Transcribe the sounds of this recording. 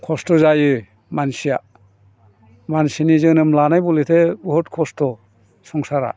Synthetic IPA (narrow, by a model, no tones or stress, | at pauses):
kʰɔstɔzajɯ | mansija | mansinizɯnɯmlanajbɔletʰebɦɔtkʰɔstɔ | sɔŋsaɾa̰